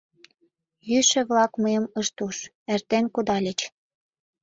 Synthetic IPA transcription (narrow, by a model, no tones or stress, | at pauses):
jyʃĕβlɑkməjəməʃt̪uʃ | ĕrt̪enkud̪ɑlʲə̆t͡ɕ